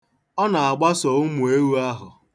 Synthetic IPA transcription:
ɔ˦na˨a˨ɡ͡ba˦sɔ˨ʊ˦mu˨e˦wu˦a˦ɦʊ˨

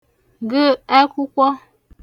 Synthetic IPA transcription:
ŋ˨ɡə˦a˦ku˦kwɔ˦

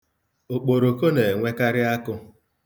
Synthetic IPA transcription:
o˨k͡po˨ɾo˨ko˦ne˨ŋʷe˦ka˦ɾɪ˦a˦kʊ˦

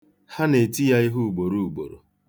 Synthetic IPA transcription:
ha˦ne˨ti˦ja˦i˦ɦu˦u˨ɡ͡bo˨ɾu˦˨u˨ɡ͡bo̰˨ɾo̰˨

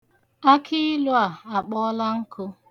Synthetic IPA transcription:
a˦kʰɪ˦lʊ˦a˨a˨k͡pɔ˦la˦ŋ̩˦kʰʊ˦

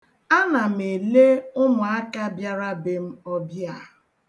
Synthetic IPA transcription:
a˦na˨m̩˨e˨le˦ʊ˦mʊ˨a˦ka˦bja˦ɾa˦bɪ˦m̩˦ɔ˦bja˦˨

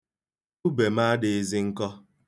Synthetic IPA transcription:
u˦be˨ma˦dɪ˨e˦zi˦ŋ̩˦kɔ˦

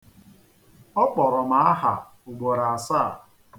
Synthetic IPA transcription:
ɔ˦k͡pɔ˨ɾɔ˨ma˨a˦ɦa̰˨ | u˨ɡ͡bo˨ɾa˨a˨saː˦˨

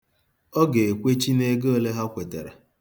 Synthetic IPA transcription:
ɔ˦ɡe˨e˨kʷe˦t͡ʃi˦ne˦ɡo˦le˦ɦa˦kʷe˨tḛ˨ɾḛ˨

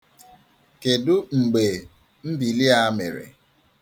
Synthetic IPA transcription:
ke˨dʊ˦ŋ͡m̩˨ɡ͡be˨ | n̩˦di˨li˦a˦mḛ˨ɾḛ˨

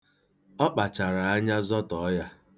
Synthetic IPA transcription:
ɔ˦k͡pa˨t͡ʃa˨ɾa˨a˦ɲa˦zɔ˦tɔ˨˦ja˦

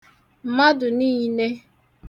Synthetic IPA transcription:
m̩˨ma˦dʊ˨ni˦ne˦

